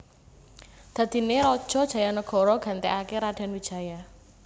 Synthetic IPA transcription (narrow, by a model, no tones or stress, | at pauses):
d̪̥ä̤d̪̥i̤neɾɔd̥ʒ̥ɔ̤d̥ʒ̥ä̤janəɡ̥ɔ̤ɾɔɡ̥a̤nt̪eakeɾad̥a̤nwid̥ʒ̥ä̤ja